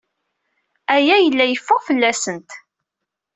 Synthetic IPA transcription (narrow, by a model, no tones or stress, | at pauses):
æjæjəlːæjəfːʊʁfəlːæsənt̪